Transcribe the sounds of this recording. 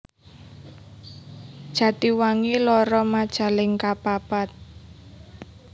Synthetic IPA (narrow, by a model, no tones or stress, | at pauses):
d̥ʒ̥ä̤t̪iwaŋilɔɾɔmad̥ʒ̥a̤lɪŋkapapat̪̚